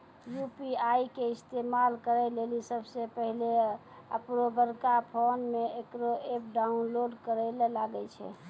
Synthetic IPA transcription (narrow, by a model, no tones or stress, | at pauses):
jupiajkeist̪emalkəɾɛlelisəbsepəɦle | ə̰pɾobəɾkapʰonmeekɾoep̚ɖaunloɖkəɾɛlelaɡət͡ʃʰɛ̰